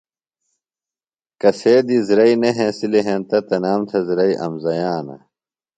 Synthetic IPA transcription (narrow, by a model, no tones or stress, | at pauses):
kɐseːd̪izɾɐineɦẽsileɦẽnt̪ɐt̪ɐnaːmt̪ʰɐzɾɐiʔɐ̰mzɐjaːnɐ̰